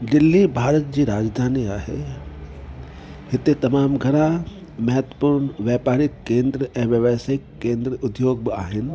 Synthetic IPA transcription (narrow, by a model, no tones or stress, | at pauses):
d̪ɪlːibʱaːɾət̪̚d͡ʑiːɾaːd͡ʒd̪ʱaːniaːɦḛ | ɦɪt̪et̪ɐmaːmɡʱɐɾa | mɐɦət̪ə̥puɾnʋjaːpaːɾɪkːẽːnd̪ɾəɛ̃ːʋɐʋaːsɪkːẽːnd̪ɾəʊd̪joːɡ̚bɪaːɦɪn̆